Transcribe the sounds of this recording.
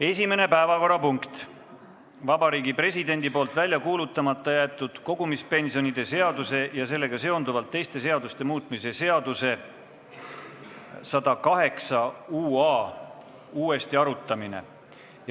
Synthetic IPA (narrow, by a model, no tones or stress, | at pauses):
e̞sʲime̞ne̞pæevɑko̞rːɑpuŋkt̪ | vɑbɑɾiːɡipre̞sid̪e̞nʲd̪̥ipo̞ːlt̪ˑvælʲjɑkuːlut̪ːˑɑmɑt̪ːˑɑjæːt̪ːˑud̪̥ko̞ɡ̥umispe̞nsio̞nid̪e̞se̞ɑd̪use̞jɑse̞lːe̞ɡ̥ɑse̞o̞nd̪uvɑlt̪ːe̞jst̪e̞se̞ɑd̪ust̪e̞muːt̪ˑmise̞se̞ɑd̪̥use̞ | sɑd̪̥ɑkɑɦe̞ksɑuːɑː | uːe̞st̪iɑɾut̪ˑːɑmine̞̰